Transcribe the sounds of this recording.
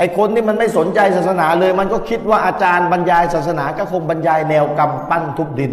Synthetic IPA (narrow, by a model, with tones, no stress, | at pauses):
ʔa˨˩jkʰo˧nːiː˥˩ma˧nma˥˩jso˩˦nt͡ɕa˧jsaː˨˩t̪̚sa˧naː˩˦lɤː˧jma˧nkɔː˥˩kʰi˦˥t̪̚waː˥˩ʔaː˧t͡ɕaː˧nba˧njaː˧jsaː˨˩t̪̚sa˧naː˩˦kaː˧˥˩kʰo˧ŋba˧njaː˧jnɛː˧wka˧mpa˥˩nt̪ʰu˦˥k̚di˧n